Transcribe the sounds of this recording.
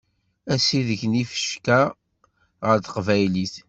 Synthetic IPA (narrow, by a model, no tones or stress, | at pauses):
æsiðəçnifə̥ʃkæ | ʁəɾθə̥qvæjliθ